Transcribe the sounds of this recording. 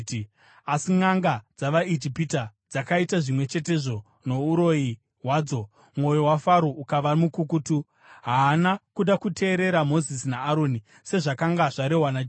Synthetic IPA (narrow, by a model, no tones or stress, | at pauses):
asiŋaŋɡad͡zaʋaed͡ʒipitad͡zakaitaʐimwe̞t͡ʃe̞te̞ʐo̞ | no̞uɾo̞i | ɦwaːd͡zo̞ | mwo̞joɦwafaɾoukaʋamukukutu | ɦaːnakuɗakutʰe̞ːɾe̞ɾamo̞zisinaːɾo̞ni | se̞ʐakaŋɡaʐaɾe̞ɦwanad͡ʒ